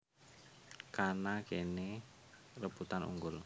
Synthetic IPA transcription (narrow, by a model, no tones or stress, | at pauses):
kanakene | rəb̥ut̪anṵŋɡʊl